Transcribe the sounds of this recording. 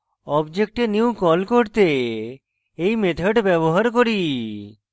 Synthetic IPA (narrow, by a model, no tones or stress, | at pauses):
ɔbd͡ʒek̚ʈenjukɔlkɔɾt̪e | eimet̪ʰəʈbɛboɦaɾkɔɾi